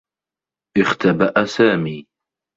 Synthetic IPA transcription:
ʔɪxt̪ʰabaʔasaːmiː

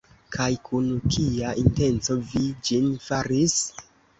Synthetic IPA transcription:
kʰajkunkʰiaʔinte̞nt͡so̞vid͡ʒinfaɾis

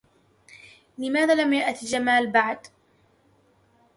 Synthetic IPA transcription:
lɪmaːðaːlamjaʔt̪id͡ʒamaːlbaʕd̪

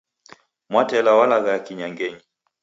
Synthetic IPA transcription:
mwatɛlawalaɣajakiɲaŋɡɛɲi

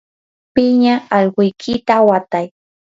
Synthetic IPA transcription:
pɪɲaːʎɢʊjkʰɪt̪awat̪aj

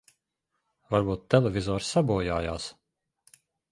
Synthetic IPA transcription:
vaɾbuːt̪ːɛlɛvʲizɔːɾsabuːjaːjaːs

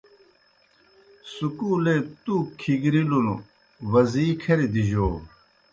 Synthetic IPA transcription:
sukuːlet̪ukʰiɡɾilunu | ʋɐziːkʰɐɾid̪iʑoː

